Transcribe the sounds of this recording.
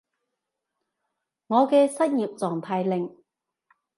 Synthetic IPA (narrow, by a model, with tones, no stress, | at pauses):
ŋɔː˨˧kɛː˧sɐ˥t̚jiː˨p̚t͡sɔː˨˩ŋt̪ʰaː˧jlɪ˨˩ŋ